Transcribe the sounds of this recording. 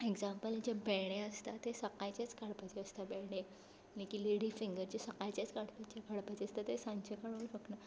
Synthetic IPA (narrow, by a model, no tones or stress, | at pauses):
eɡzãmpəld͡ʑebɛɽ̃eəst̪at̪esəkajt͡ɕat͡skaɽpat͡ɕeəst̪abɛɽ̃e | lẽkiːleɽifiŋɡəɾd͡ʑesəkajt͡ɕet͡skaɽpat͡ɕjakaɽpat͡ɕeəst̪at̪esãɲt͡ɕekaɽoɕəkna